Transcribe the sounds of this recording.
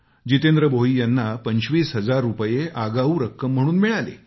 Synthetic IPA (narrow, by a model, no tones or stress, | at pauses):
d͡ʑit̪end̪ɾəboɦiːjanːapəɲɕʋiːsɦəd͡zaɾːupjeaɡauːɾəkːəm̤ːəɽ̃uːnmiɭalḛ